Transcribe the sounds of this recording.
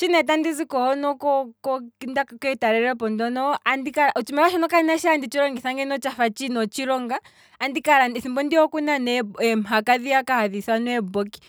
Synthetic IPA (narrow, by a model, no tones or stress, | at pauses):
t͡ʃinɛtandizikɔɔnɔkɔkɔkindakakɛtaɾɛɾɛpɔndɔnɔandikaɾaʔut͡ʃimɛɾaʃɔnɔkanaʃandit͡ʃiɾɔŋɡiθaŋɡɛnɔt͡ʃafat͡ʃinɔt͡ʃiɾɔŋɡaː | ndikaɾaniθimbɔndiɔkunanɛɛɛm̩ɦakaðiakahaðiθanuɛbɔki̥